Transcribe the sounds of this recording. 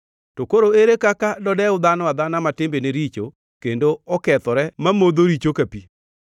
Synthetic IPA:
tokoɾoeɾekakadɔdɛʊd̪anɔwad̪anamatɪmbeneɾit͡ʃo | kendoɔkɛt̪ɔɾɛmamod̪oɾit͡ʃokapi

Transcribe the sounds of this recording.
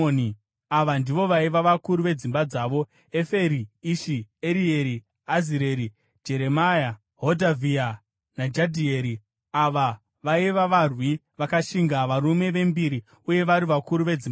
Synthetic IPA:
ni | aʋandiʋo̞ʋaiʋaʋakuɾuʋe̞d͡zimbad͡zaːʋo̞ | efe̞ɾiiʃieɾieɾi | aziɾe̞ɾi | d͡ʒe̞ɾe̞maja | ɦodʱavia | nad͡ʒadʱieɾi | aʋa | ʋaiʋaʋarwi | ʋakaʃiŋɡaʋaɾume̞ʋe̞mbiɾi | uje̞ʋaɾiʋakuɾuʋe̞d͡zim

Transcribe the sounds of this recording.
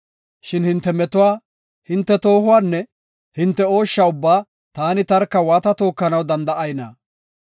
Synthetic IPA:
ʃɪnhɪnt̪ːɛmɛt̪ʊwaː | hɪnt̪ːɛt̪o̞ːɦʊwaːnːɛ | hɪnt̪ːɛo̞ːʃːɐʊbːaː | t̪aːnɪt̪ɐɾkːɐwaːt̪ɐt̪o̞ːkːɐnɐwd̪ɐnd̪ɐʔɐjnɐ̰

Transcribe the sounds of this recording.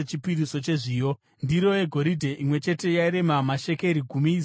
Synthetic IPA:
et͡ʃipiɾiso̞t͡ʃe̞ʐiːjo | ndiɾo̞jeɡʱo̞ɾidʱe̞ʔimwe̞t͡ʃe̞te̞jaiɾe̞mamaʃe̞ke̞ɾiɡʱumiːs

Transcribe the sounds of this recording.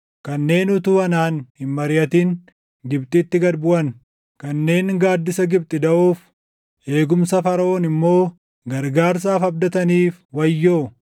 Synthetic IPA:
kɐnːe̞ːnʊt̪uːɐnaːnhɪmmɐɾɪɐt̪iːŋ | ɡɪb̚t̪ʼɪt̪ːɪɡɐɾbʊʔɐn | kɐnːe̞ːŋɡaːd̪ːɪsɐɡɪb̚t̪ʼɪd̪ɐʔuːf | ʔe̞ːɡʊmsɐfɐɾɐʔoːnɪmːo̞ː | ɡɐɾɡaːɾs̬aːfɐb̚d̪ɐt̪ɐniːfwɐjːoː

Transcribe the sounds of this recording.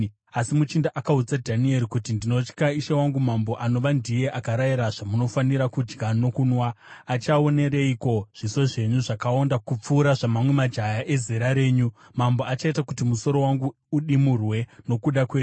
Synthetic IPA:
asimut͡ʃindaʔakaud͡zadʱanie̞ɾikutindino̞t͡ʃkaiʃewaŋɡumambo̞ʔano̞ʋandije̞ʔakaɾaiɾaʐamuno̞faniɾakud͡ʒɡano̞kunwaː | t͡ʃao̞ne̞ɾeiko̞ʐ̥iso̞ʐe̞ɲuʐakaondakup͡fuːɾaʐamamwe̞mad͡ʒajaʔe̞zeɾaɾe̞ːɲu | mambo̞at͡ʃaitakutimuso̞ɾo̞waŋɡuːɗimurwe̞no̞kuɗakwe̞ːɲu

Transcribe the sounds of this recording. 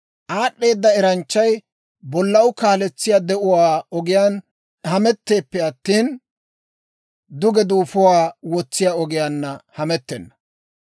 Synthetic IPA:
ʔaːɗːe̞ːd̪ːɐɛɾɐnt͡ʃːɐj | bɔlːɐwkaːlɛt͡sːɪjaːd̪ɛʔʊwaːɔɡɪjaːn | hɐmɛt̪ːe̞ːpːɛɐt̪ːiːn | d̪ʊɡɛd̪uːfʊwaːwɔt͡sːɪjaːɔɡɪjaːnːɐhɐmɛt̪ːɛnːɐ

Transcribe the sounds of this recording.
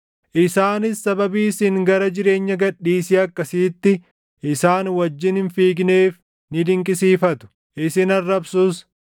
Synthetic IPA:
ʔɪsaːnɪsːɐbɐbiːsɪŋɡɐɾɐd͡ʒɪɾe̞ːɲːɐɡɐᶑːiːsɪɐkːɐsiːt̪ːɪ | ʔɪsaːnwɐd͡ʒːɪnhɪnfiːɡneːf | nɪd̪ɪŋkʼɪsiːfɐt̪ʊ̥ | ʔɪsɪnɐrːɐbsus

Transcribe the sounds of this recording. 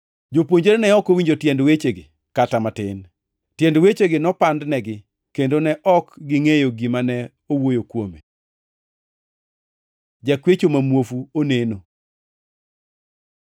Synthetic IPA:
d͡ʒopwoɲd͡ʒeɾnɛɔkowiɲd͡ʒotjɛndwet͡ʃeɡɪ | katamatɪn | tjɛndwet͡ʃeɡɪnɔpandnɛɡɪ | kendonɛʔɔkɡɪŋejoɡimanɛ | owojokwome | d͡ʒakwet͡ʃomamwofuoneno

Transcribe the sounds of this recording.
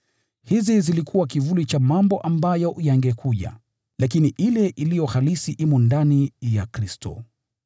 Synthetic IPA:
hizizilikʰuwak̬ivulit͡ʃamambɔʔambajɔjaŋɡɛkʰuʄa̰ | lak̬iniʔilɛʔilijɔhalisiʔimɔndanijakɾistʰɔ̰

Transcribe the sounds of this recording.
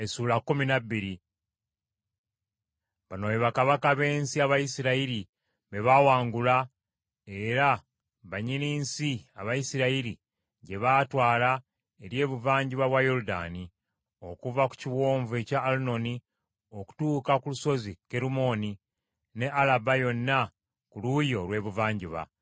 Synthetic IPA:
esuːlakːuminabːiɾi | βanojeβakaβakaβe̞ːnsiaβajisiɾaiɾi | βeβawaːŋɡula | e̞ɾa | βaɲiniːnsiaβajisiɾaiɾi | ɟe̞βatwaːla | e̞ɾje̞ːβuvaːɲɟiβaβwajo̞ɾuda̰ːni | o̞kuvaku̥ciwo̞ːɱvue̞caːluno̞ni | o̞ku̥tuːkakuluso̞zike̞ɾumo̞ni | ne̞ʔalabajo̞nːa | kulujo̞lwe̞ːβuvaːɲɟiβa̰

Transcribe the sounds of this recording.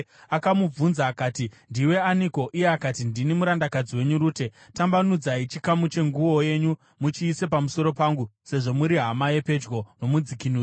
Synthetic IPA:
akamub͡vunzaːkaːtindiwe̞aniko̞ʔije̞akatindinimuɾandakad͡ziwe̞ɲuɾuːte̞ | tambanud͡zait͡ʃikamut͡ʃe̞ŋɡuwo̞je̞ɲu | mut͡ʃiːse̞pamuso̞ɾo̞paːŋɡuse̞ʐo̞muɾiɦamae̞pe̞d͡ʒɡo̞no̞mud͡zikinuː

